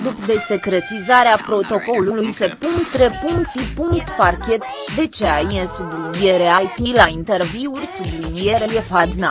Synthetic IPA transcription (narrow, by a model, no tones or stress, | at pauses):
d̪ukd̪e̞se̞kɾe̞t̪izaɾeapɾo̞t̪o̞ko̞lulujse̞punkt̪ɾepuŋkt̪ipuŋkt̪parkʲe̞t̪ | d̪e̞t͡ʃeajesublinieɾeajt̪ilaint̪e̞rviurʲsublinijeɾejefad̪na